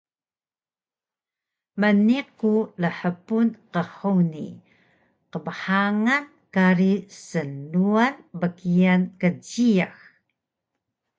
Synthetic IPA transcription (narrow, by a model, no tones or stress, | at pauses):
məniqːuləħəpunqəhuwnḭ | qəməħaŋan | kaɾisənːuanbəkiankəɟiax